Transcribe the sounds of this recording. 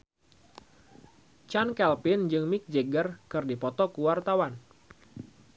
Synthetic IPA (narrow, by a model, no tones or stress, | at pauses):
t͡ʃankɛlpɪnd͡ʒɨŋmɪk̚d͡ʒeɡərkɨrdipɔt̪ɔkuwart̪awan